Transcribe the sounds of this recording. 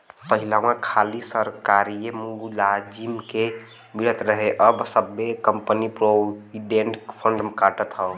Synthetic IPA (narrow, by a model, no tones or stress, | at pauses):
pəɦilawãkʰalisəɾkaɾijemulad͡ʒimke | biɾət̪ɾəɦeʔəbsəbːekəmpənipɾoiɖeɳʈpʰəɳɖəmkaʈət̪ɦəo